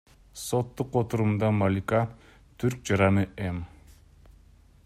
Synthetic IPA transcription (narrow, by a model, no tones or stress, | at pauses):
so̞t̪ːuqot̪uɾumd̪ɑmalʲika | t̪ʰyɾk̚d͡ʒɑɾɑnɯʔem